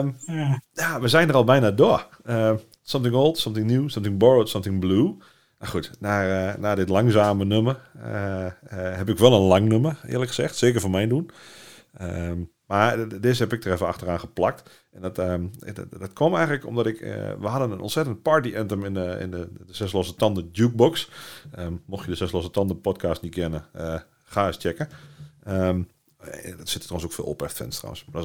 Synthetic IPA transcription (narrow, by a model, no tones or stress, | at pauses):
mjaːʋəzɛjndərɔlˠbɛjnadʊə | ə | sʌ̃mtɪ̃ŋoːlˠtsɔ̃mtɪŋnjuːsɔ̃mtɪŋbɔɹətsʌ̃mtɪŋbluː | maxutnaənaːdɪtlaŋsaːmənømə | hɛp̬ɪkʋɛlˠənlaŋnøməɪ̰ːrləkχəz̥ɛxtsɪːkərfɔnmɛjndun | əm | madɪshɛpɪk̚dərɛfəa̰xtəraːnxəplak̚t | ɛndɔtə̰dɔtkʰɔmɛjŋələkɔ̰mdɔtɪkʋəɦadənənʔɔ̰nsɛtənt̚paɹtiʔɛntəmɪnəɪ̰ndədəsɛslosətɔndədjuk̚boksəmoxtjədəsɛslosətɔndəpɔtkʰaːstnit̚ɡɪnəə | xaːɪst͡ʃɛkəəm | dɔtsɪtə̥tʰoənsokfɪ̰ːlˠo̰pɛftfɪ̰nstra̰wə̰nsmadɔ